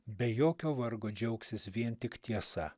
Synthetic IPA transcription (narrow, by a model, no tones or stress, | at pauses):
bʲɛjoːkʲoːʋɐɾɡoːd͡ʒʲɛʊksʲɪsʋʲiɛnt̪ʲɪkt̪ʲiɛsɐ̰